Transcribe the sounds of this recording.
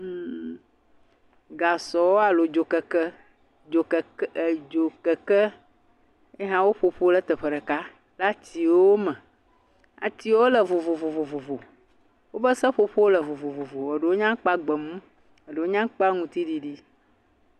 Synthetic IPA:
ɡa˨sɔ˨wo˦a˨lo˨d͡ʒo˨kɛ˨kə˦ | d͡ʒo˨kd͡ʒo˨kɛ˨kɛ˦ | e˦ɦã˦wo˦ɸo˨ɸo˦lə˦t̪ə˨ɸə˨ɖə˨ka˦ | la˦t̪i˨˦wo˦mɛ̃˨ | a̰˨t̪i˦wo˦lə˨vo˨vo˨vo˨vo˨vo˨vo˨ | wo˦bə˦sə˦ɸo˨ɸo˦lə˨vo˨vo˨vo˨vo˨e˨ɖe˨wo˦ɲã˦k͡pa˦ɡ͡bə˨mũ˦ | e˨ɖe˨wo˦ɲã˦k͡pa˦ŋũ˦t̪i˦ɖi˦ɖi˦

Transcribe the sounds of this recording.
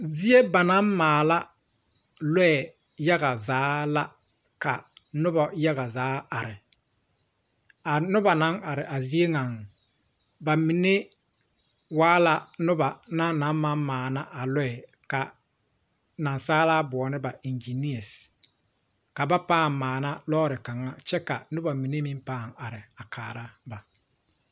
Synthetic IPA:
zi˦e˦ba˨na˦mmaː˨la˦ | lɛ˦ɛ˨ | ja˦ɣa˨zaː˨˦la˦ | ka˨nʊ˦ba˨ja˦ɣa˨zaː˨˦a˨ɾɪ˨ | a˨nʊ˦ba˨na˨˦ŋa˨ɾɪ˨ʔa˨zi˦e˦ŋa˨ŋ | ba˨mi˨ne˦ | waː˦la˨nʊ˦ba˨na˦na˨˦ma˦mmaː˨na˦ʔa˨lɛ˦ɛ˨ | ka˨ | na˨nsaː˦laː˦bɔː˨nɪ˦ba˨ʔi˨nd͡ʒi˨ni˦a˨s | ka˨ba˦paː˦˨mmaː˨na˦lɔː˦ɾɪ˨ka˨ŋa˦t͡ʃɛ˦ka˨nʊ˦ba˨mi˨ne˦mi˦mpaː˦˨ŋa˨ɾɪ˨a˨kʰaː˨ɾa˦ba˨

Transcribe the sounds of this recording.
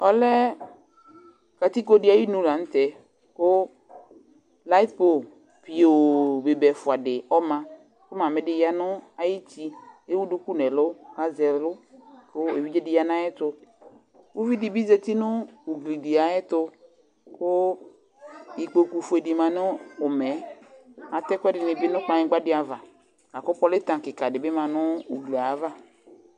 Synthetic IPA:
ɔ˦lɛ˦ | ka˨t̪i˦ko˦dɪ˨˦a˨ji˦nũ˦la˨n̩˦t̪ɛ˨ | kʊ˦ | la˦t̪̚po˨ | pi˨o˨be˨bɛ˨fʊ˨a˨dɪ˨ɔ˦mã˨ | kʊ˦mã˨mɪ˨dɪ˨ja˦nʊ˦a˨ji˦ti˦e˦wu˦du˦ku˦nɛ˨lʊ˦ka˦zɛ˨lʊ˦kʊ˦e˨vi˦d͡ʒɛ˦dɪ˨ja˦nã˦ɛ˦t̪ʊ˦ | wu˦vi˦di˨bi˦zɛ˦t̪i˦nʊ̃˦u˨ɡli˨di˨a˨ɛ˦t̪ʊ˦ | kʊ˦ | i˨k͡po˨ku˨fu˨e˨di˨mã˨nʊ˦ʊ˨mɛ˨˦ | a˨t̪ɛ˦kdɪ˨nɪ˨bɪ˦nʊ̃˦k͡pa˨ɲɪ˦ɡ͡ba˦dɪ˦a˨va˨ | la˨kʊ˦pɔ˦lɪ˦t̪ã˨kɪ˨ka˨dɪ˨bɪ˦mã˨nʊ̃˦u˨ɡli˨a˨˦va˦

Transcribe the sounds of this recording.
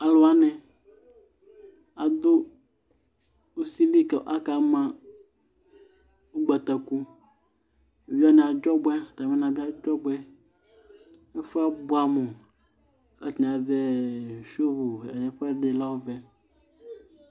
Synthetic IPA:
a˨lo˨a˦nɛ̃˨ | a˨d̪o˦ | o˦si˦li˦kɛ˨˦ʔa˦ka˨mã˦ | wo˦ɡ͡bɛ˨t̪ɛ˨ku˦˨ | vi˦a˦nɛ̃˨a˨d͡ʒɔ˦bɛ˦˨t̪a˨mɛ̃˦nã˨bi˦a˦d͡ʒɔ˦bɛ˦ | e˦fe˦a˦bo˨˦a˨mɔ̃˨ | ɛ̰˦t̪nɛ̃˨a˨ðɛ˦ʃo˦ɦo˨ɛ̰˨nɛ̃˨ɸɛ˦ɖe˨la˦wo˦vɛ˦

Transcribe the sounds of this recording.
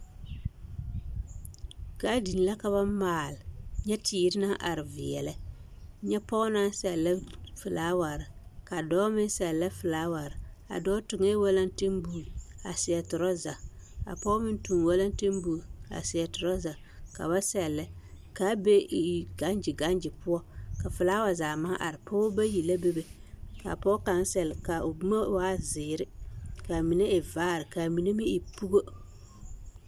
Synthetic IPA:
ka˦di˨n˨la˦ka˨βa˦maː˨lɪ˨ɲɛ˦tʰiː˨˦ɾɪ˦na˦ŋʔa̰˨ɾɪ˨vɪ˨jɛ̰˨lɛ˦ | ɲɛ˦pɔ˦na˦ŋ˦sɛ˨lːɛ˦fɨ˨laː˨˦wa˨ɾɪ˨ka˨dɔː˦mɪ˦sɛ˨lːɛ˦fɨ˨laː˨˦wa˨ɾɪ˨a̰˨dɔː˦tʊ˨ŋe˦wa˦la˦n˦tɪ˦mbu˨a̰˨sɪ˨jɛ˨tʊ˨ɾɔ˦za˨ | ka̰˨pɔ˦mɪ˦n˦tu˨ŋwa˦la˦n˦tɪ˦mbu˨a̰˨sɪ˨ɛ˨tʊ˨ɾɔ˦za˨ | ka̰˨ba˦sɛ˨lːɪ˦ | ka˨˦be˦˨ɡa˦nd͡ʒɪ˨ɡa˦nd͡ʒɪ˨pʊ˦ɔ˦ka˨fʊ˨laː˦wa˨zaː˨ma˦ʔa˨ɾɪ˨pʰɔ˦ba˦ji˨la˦be˦be˨ | ka̰˨pɔ˦ka˨n˦sɛ˨lɪ˨ka˨ʊ˨bu˦ma˦wa˦zɪː˨ɾɪ˦ka˨mi˨ne˦ʔɪ˨vaː˦ɾɪ˨ka˨mi˨ne˦mɪ˦ɪ˨pu˦ɡo˦

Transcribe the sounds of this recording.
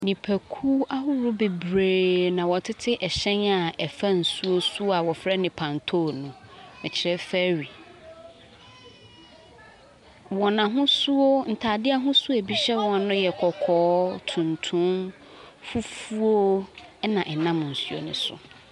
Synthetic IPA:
nĩ˨pʰæ˨kʰu˦a˦ɦʊ˦ɾʊ˦be˨bɾeː˨nã˨wɔ˨tʰɪ˦tʰɪ˦ʔɛ˨ɕɛ̃˦na˨ɛ˨fa˦n̩˨su˦o˦su˦a˨wɔ˨fɾɛ˦nɪ̃˨pʰã˨ntʰo˦nʊ̃˨mɪ̃˨t͡ɕʰɪ˨ɾɛ˦fæ˦ɾi˨ | wɔ˨nã˨ɦʊ̃˦su˦o˦n̩˨tʰaː˨dɪ˦a˦ɦʊ̃˦su˦æ˨bi˦ɕɛ˦wɔ˦a˨˦nʊ̃˦jɛ˨kʰɔ˨kʰɔː˦tʰũ˨ntʰũ˦m | fu˦fu˦o˦ɛ˦nã˨ʔɛ˨nã˦m˨n̩˨su˦o̰˨nʊ̃˨sʊ̰˨

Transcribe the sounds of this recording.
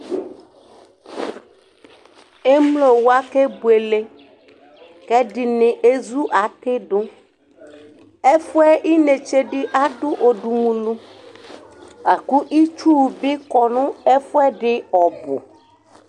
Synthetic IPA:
e˦mlo˨wo˦a˦ke˦bu˨e˨le˦ | kɛ˦ɖi˨nẽ˨ʔe˦zu˦ʔa˨t̪e˦ɖo˦ | e˦fu˦ɛ˦ʔi˦ne˨t͡ʃe˦ɖɪ˦ʔa˦ɖu˦ʔo˨ɖu˨mũ˨lu˦ | a˨ku˦ʔi˦t͡ʃu˦˨bi˦kɔ˨nũ˦e˦fo˦ɛ˦ɖɪ˦ɔ˨bo̰˨

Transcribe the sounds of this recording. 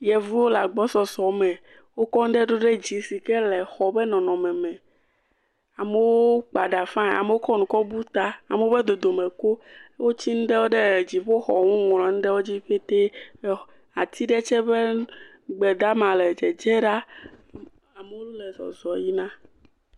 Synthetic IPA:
jɛ˨vu˦wo˦la˨ɡ͡bɔ˦sɔ˨zɔ˨mɛ̃˨ | wo˦kɔ˦ŋ̩˦ɖe˦ɖo˦ɖe˦d͡ʑi˨si˨kɛ˦lɛ˨xɔ˨bɛ˦nɔ̃˨nɔ̃˨mɛ̃˨mɛ̃˨ | a˨me˨wo˦k͡pa˨ɖa˨fã˦˨a̰˨me˨wo˦kɔ˦nũ˨kɔ˦bu˦t̪a˦a˨me˨wo˦be˦d̪o˨d̪o˨mẽ˨ko˦wo˦t͡ɕi˦nũ˦ɖe˦wo˦ɖe˦˨d͡ʑi˨ɸo˦xɔ˨ŋũ˦ŋ˨lɔ̃˨ŋ̩̃˦ɖe˦wo˦d͡ʑi˦ɸe˦t̪e˦ | a˨t̪i˦ɖɛ˦t͡ʃɛ˦be˦ | ɡ͡bɛ˨d̪a˦mã˨lɛ˨d͡ʒɛ˨d͡ʒɛ˦ɖa˦˨ | a˨me˨wo˦lu˦lɛ˨zɔ̰˨zɔ˨ji˦nã˦

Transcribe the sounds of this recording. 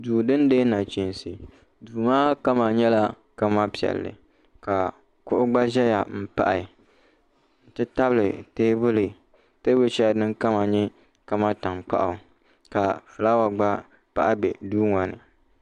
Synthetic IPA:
duː˨dɨ˦ndeː˦na˨t͡ʃi˨n˨sɨ˨ | duː˨maː˦ka˦ma˨ɲɛ˦la˦ | ka˦ma˦pi˨ɛ̰˨lːɨ̰˨ | ka˨ | kʊ˦ʔʊ˦ɡ͡ba˦ʒɛ˦ja̰˨m̩˦pa̰˦ʔa˨ | n̩˨tɨ˦ta˦blɨ˨teː˦bʊ˦lɨ˨ | teː˦bʊ˦t͡ʃɛ˦ja˨dɨ˦ŋka˦ma˨ɲɛ˦ | ka˦ma˦ta˨mk͡pa̰˦ʔa˨ | ka˨fɨ˨la˦wa˨ɡ͡ba˦ | pa̰˦ʔa˦bɛ˨duː˦ŋa˨nɨ̰˨

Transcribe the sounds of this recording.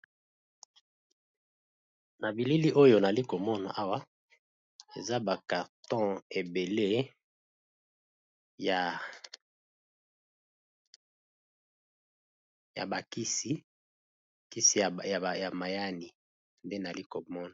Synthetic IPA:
na˨bi˨li˦li˦ʔo˦jo˦na˨li˦ko˨mɔ˦na̰˨ʔa˦wa˦ | e˨za˦ba˨ka˨ʁtɔ̃˦e˨be˨le˦ | ja˨ | ja̰˨ba˨ki˦si˦ | ki˦si˨ja˨ma˨ja˦ni˨ | nde˦na˨li˦ko˨mɔ˦na˨

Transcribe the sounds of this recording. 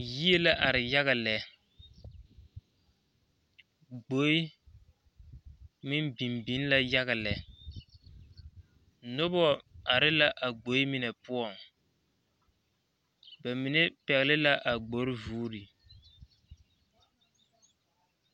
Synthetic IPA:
ji˦e˦la˦ʔa˨ɾɪ˨ja˦ɣa˨lɛ˨˦ | ɡ͡bo˨˦i˦ | mɪ˦nbi˨mbi˨˦n˦la˦ja˦ɣa˨lɛ˨ | nʊ˦bɔ˦a˨ɾɪ˦la˦ʔa˨ɡ͡bo˨˦i˦mɪ˦nɛ˨pʊ˦ɔ˨ŋ | ba˨mɪ˨nɛ˦pɛ˨ɣɪ˨lɪ˦la˦ʔa˨ɡ͡bo˨˦ɾvuː˦ɾi˨

